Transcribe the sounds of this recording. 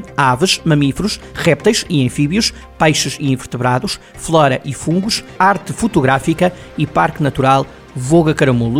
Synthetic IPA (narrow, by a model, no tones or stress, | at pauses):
avɨʃmɐmifɾuʃ | ʁɛp̚t̪ɐjʃiẽfiβjuʃ | pɐjʃɨʃiĩvɨɾt̪ɨβɾaðuʃ | flˠɔɾɐʔifũŋɡuʃaɾt̪ɨfut̪uɣɾafikɐipaɾknɐt̪uɾalˠ | voɣɐkɐɾɐmulˠ